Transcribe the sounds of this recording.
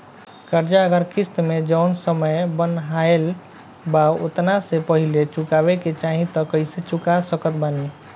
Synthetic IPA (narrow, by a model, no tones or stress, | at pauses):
kəɾd͡ʒaəɡəɾkʰist̪med͡ʒəʊnsəməjbənɦael | bao̰t̪nasepəɦilet͡ʃukabeket͡ʃaɦĩt̪ɔkəiset͡ʃukasəkət̪bane